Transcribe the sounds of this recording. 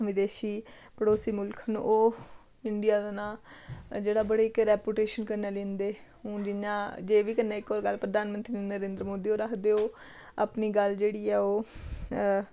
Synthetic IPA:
ʋɪd̪eːʃiː | pəɽoːsiːmʊlkʰən̰ːʔoː | ɪnɖ̪ɪjaːd̪anaːd͡ʒeːɽaːbəɽeːɪkɾɛːpjuːʈeːʃənkənaːlẽːnd̪eː | ʊ̃d͡ʒɪnãːd͡ʒeːʋiːkənːaːɪkːɔːɾɡəlpɾəd̪aːnmənt̪ɾiːnəɾẽːnd̪ɾəmoːd̪iːoːɾaːkd̪eːoː | a̰pniːɡəld͡ʒeːɽiːɛːoː

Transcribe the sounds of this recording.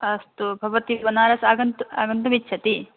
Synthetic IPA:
ɐst̪ubʱɐʋɐt̪ibɐnaːɾɐsaːɡɐnt̪ua̰ːɡɐnt̪umit͡ʃːt͡ʃʰɐt̪i

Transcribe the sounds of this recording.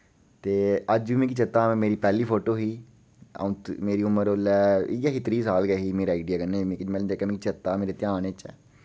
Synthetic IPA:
t̪eːəd͡ʒʋɪmẽːkit͡ʃət̪ːaːmɛ̃ːmeːɾiːpɛːliːpʰoːʈoːɦiː | ã̰t̪meːɾiːʊməɾoːlɛːɪjakit̪ɾiːsaːlɡɛːɦiːmeːɾaːaiːɖijaːkənɛ̃mẽːkimɛ̃d͡ʒekɛːmẽːkit͡ʃət̪ːaːmeːɾeːt̪ɪjaːneːt͡ʃɛ̰ː

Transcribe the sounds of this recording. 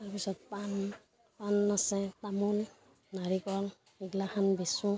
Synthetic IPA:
taɹpisɔt̚pan | panːasɛtamul | naɹikɔl | iɡlaxʰanbisu

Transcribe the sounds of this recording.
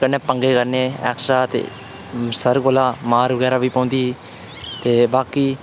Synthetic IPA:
əneːpəŋɡeːkəɾneːɛ̰ːksɾaːt̪ḛː | səɾkoːlaːmaːɾʋəɡɛːɾaːʋiːpãːnd̪iː | t̪eːbaːkiː

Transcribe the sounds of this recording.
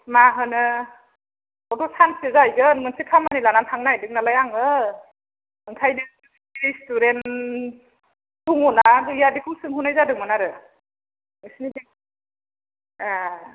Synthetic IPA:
maɦɯnɯ | ɔtɔsansezajɡɯnmɯnsikʰamanilanantʰaŋnajdɯk̚nalajaŋɯ | ɯŋkʰajnɯ | iɾistuɾen | duŋɔnazɯjadikʰuŋsɯŋɦunajzadɯmɯnaɾɯ | mɯsnidi | a

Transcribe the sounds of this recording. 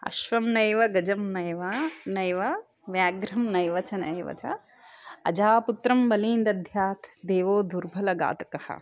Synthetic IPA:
ɐ̰ʃʋɐmnɐjʋɐɡɐd͡ʒɐmnɐjʋɐnɐjʋɐ | ʋjaːɡɾɐmnɐjʋɐt͡ʃɐnɐ̰jʋɐ̰t͡ʃɐ̰ | ɐd͡ʒaːput̪ɾɐmbɐliːnd̪ɐd̪ʱjaːt̪ʰd̪eːʋoːd̪uɾbʱɐlɐɡa̰ːt̪ɐ̥kɐhɐ̰

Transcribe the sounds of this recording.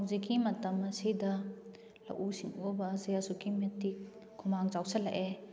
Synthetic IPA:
wzikimɐtɐmːɐsidɐ | lɐ̰wʔusiŋuɔbɐzajasukimetikːʰ | umaŋt͡ʃawsɐlaʔe

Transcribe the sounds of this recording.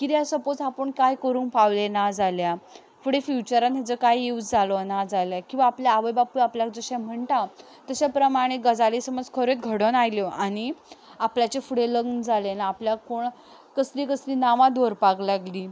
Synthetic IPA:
kit̪asəpot͡sapəɳkajkəɾuːnpaʋlenad͡zalja | fuɽefjut͡ɕəɾãnɦjat͡səkajeut͡sd͡zʱalɔnad͡zaljakĩw̃ʋaːpljaːʋəjbapuapljak̚d͡zəɕãm̤əɳʈa | t̪əɕapɾəmaɽ̃eɡəd͡zalesəməd͡zkʰəɾet̪̚ɡʱəɽənajljɔʔaɽ̃iapljat͡ɕefuɽeləɡnd͡zʱalenaːpljakoɳ | kəsliːkəsliːnaʋãd̪oɾpaɡlaɡliː

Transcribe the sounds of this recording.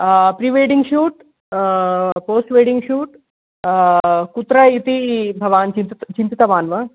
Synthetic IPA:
pɾiʋeːɽiŋɡʃuːʈ | poːsʈʋeːɽiŋɡʃuːʈ | kut̪ɾɐit̪ibʱɐʋaːnt͡ʃint̪t͡ʃint̪it̪ɐʋaːnʋɐ

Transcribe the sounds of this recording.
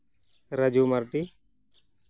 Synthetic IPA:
ɾəd͡ʒuːməɾʈiː

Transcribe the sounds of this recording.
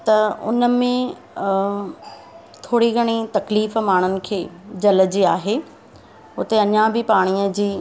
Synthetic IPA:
t̪ɐʊ̰nəmẽ | t̪ʰoːɽiɡʱɐɽ̃it̪ɐkliːfmaːɽ̤̃ʊnɪ̆kʰeːd͡ʑɐləd͡ʑiaːɦeː | ʊt̪eɐɲãbɪpaːɽ̃iəd͡ʑiː

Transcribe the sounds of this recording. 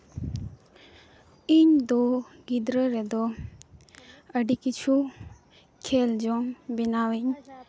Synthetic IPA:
iɲd̪ɔ | ɡid̪ɾəɾɛd̪ɔ | əɖikit͡ʃʰu | kʰeld͡ʒɔŋbenawiɲ

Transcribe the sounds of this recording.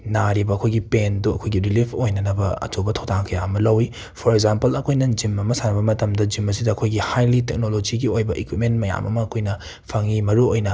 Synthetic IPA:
naɾibɐɐkʰojɡipenduɐ̰kʰojɡiɾilipʰojnɐnɐbɐɐ̰t͡ʃobɐtʰowtʰaŋkʰɐjaɐmɐlɐwi | pʰoɾeɡzampɐlɐkʰojnɐd͡ʒimɐmɐsanɐbɐmɐtɐmdɐd͡ʒimːɐs̬idɐːkʰojɡihajlitek̚nolod͡ʒiɡiojbɐʔikwit̚ment̚mɐja̰mɐ̰mɐːkʰojnɐ | pʰɐŋimɐɾuojnɐ

